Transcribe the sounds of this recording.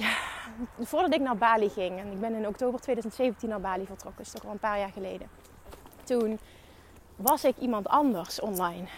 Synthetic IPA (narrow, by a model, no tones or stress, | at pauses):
jaːv̥ʊːɹdɑtɪk̚naːɹbaːliχɪŋɛnɪɡ̚bɛnɪnɔktowbərtʋejdœɥzəntsejvəntinːaːɹbaːlivəɹtrɔkənɪstɔkɑlˠənpaːɹjaːɹχəlejdə | tun | ʋɑsɪkimɑntɑndəɹsɔnlɑjn